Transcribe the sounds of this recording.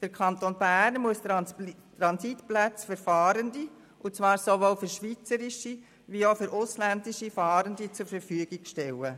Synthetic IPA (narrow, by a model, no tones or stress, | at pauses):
d̥əɾkʰɑntoːnbæɾnmuəsttɾɑnsitplæt͡sfyɾfɑːɾəndi | ʔʊt͡sʋɑːɾsovoːlfʏɾʃʋit͡səɾiʃi | viofyɾʔʊslændiʃifɑːɾəndit͡sʊɾfəɾfyəɡiɡ̥ʃtɛlə